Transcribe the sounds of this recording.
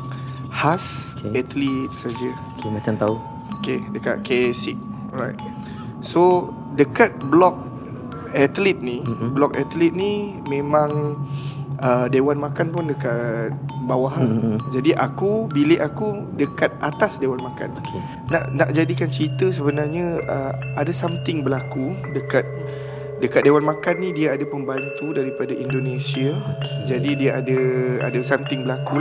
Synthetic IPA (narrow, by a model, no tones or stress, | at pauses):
hasɛt̪lit̪̚sad͡ʒə | kemakant̪au | okedəka̰ʔ̚kʰesik̚ɔrajt̪̚ | so | dəkat̪̚blɔk̚ | ɛt̪lit̪̚niblɔkɛ̰t̪lit̪̚nimẽmãŋ | ʔədewanmakanpʊndəkat̪̚bawaɦad͡ʒadiʔakubilɪʔaku | dəkat̪̚ʔat̪asdewanmãka̰n | naʔnaʔd͡ʒadikant͡ʃəit̪əs̬əbənarɲə̃əadasamt̪ɪŋbəlakudəkat̪̚ | dəkat̪̚dewanmãkanːĩdiaadapəmbant̪udaɾipadaʔindonesiad͡ʒadidiaadaa̰dasamt̪ɪŋbəlaku